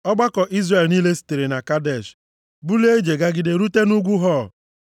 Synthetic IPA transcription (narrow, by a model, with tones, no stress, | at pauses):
ɔ˦ɡ͡ba˦kɔ˨ʔi˦zre˨lni˦le˦si̥˨te˨ɾe˨na˨ka˦dɛ˨ʃ | bu˦le˦d͡ʒe˨ɡa˦ɡɪ˨de˨ɾu˦te˦nu˦ɡʷu˦ɦɔ˦˨